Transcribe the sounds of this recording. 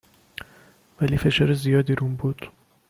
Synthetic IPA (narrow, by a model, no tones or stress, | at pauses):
væliːfe̞ʃɒːɾezijɒːd̪iɾunbuːd̪̥